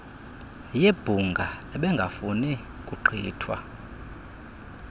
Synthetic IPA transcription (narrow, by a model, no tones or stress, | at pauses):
jeb̥ʱuŋɡʱaɛɓɛŋɡʱafuni | kʼuɡ͡ǃʱḭːtʰwa̰